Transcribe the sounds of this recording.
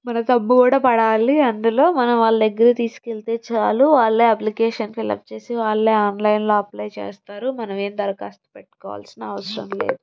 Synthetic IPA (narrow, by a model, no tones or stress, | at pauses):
mɐnɐt̪ɐmːukuːɽaːpɐɽaːliɐnd̪ulo̞ːmɐnɐmʋaːɭːɐd̪eɡːɐɾɐt̪iːsu̥kelt̪e̞ːt͡ʃaːluʋaːɭːeːɐplikeːʂɐnfilɐ̰k̚t͡ʃe̞ːsiʋaːɭːeːaːnlɐjnlo̞ːɐplɐjt͡ʃḛːst̪aːɾumɐnɐme̞ːmd̪ɐɾɐkaːst̪upɛʈːu̥kɔ̰ːʋa̰ːlsinɐɐʋɐsɐɾɐ̰mlḛːd̪u